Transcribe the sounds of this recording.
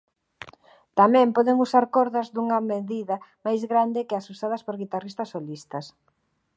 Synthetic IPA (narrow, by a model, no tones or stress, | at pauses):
t̪amɛ̃mpɔðɪŋusaɾkɔɾðɐzðuŋɐmeðiðɐmajzɣɾand̪ɪkɪasusaðɐspoɾɣit̪arist̪ɐsːolist̪ɐs